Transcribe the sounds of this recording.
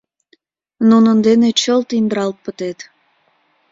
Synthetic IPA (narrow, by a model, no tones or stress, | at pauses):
nunənd̪enet͡ɕəlt̪ind̪əɾɑlt̪̚pət̪et̪